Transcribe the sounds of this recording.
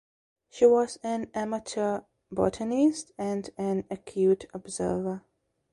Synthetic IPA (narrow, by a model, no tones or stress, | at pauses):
ʃiwɔzæ̃næmətʰə | bɔ̰tʰənɪstæ̃ndæ̃nəkʰjuːtʰɔbzə̰ːvə